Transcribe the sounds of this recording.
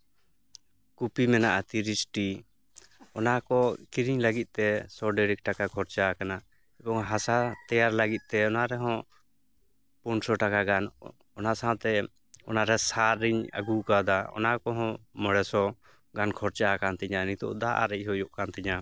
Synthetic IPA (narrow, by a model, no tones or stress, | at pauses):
kupimɛnaʔat̪iɾisʈi | ɔnakɔkiɾiɲlaɡit̪̚t̪ɛsɔɖɛɾik̚ʈakakʰɔɾt͡ʃakana | ɛbɔŋɦasat̪ɛjaɾlaɡit̪̚ˀt̪ɛɔnaɾɛɦɔ̃ | puɳsɔʈakaɡan | ɔnasãwt̪ɛ | ɔnaɾɛsaɾːiɲa̰ɡukad̪aɔ̰nakɔɦɔ̃məɽɛsɔ | ɡankʰɔɾt͡ʃakant̪ɛɲanit̪ɔ̰ʔd̪aʔa̰ɾɛʔɦɔjɔʔkant̪ɛɲa